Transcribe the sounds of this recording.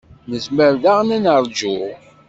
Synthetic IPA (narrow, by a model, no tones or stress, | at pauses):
nəsməɾðaʁnænəɾˤd͡ʒu